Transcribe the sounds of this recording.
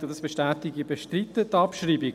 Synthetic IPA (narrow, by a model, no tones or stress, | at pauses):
ədɑsb̥eʃtæːtɪɡibeʃtɾitːətɑpʃriːbi